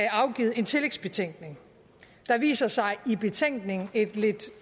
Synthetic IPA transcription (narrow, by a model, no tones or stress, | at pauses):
æɑ̈ʊɡ̥ḭːð̩ˠe̝nt͡sʰe̝leɡ̥sb̥e̝t͡sʰeŋ̰ɡ̥ne̝ŋ | d̥ɑ̈ʋḭːsɐsɑ̈ɪib̥e̝t͡sʰeŋ̰ɡ̥ne̝ŋn̩e̝d̥le̝d̥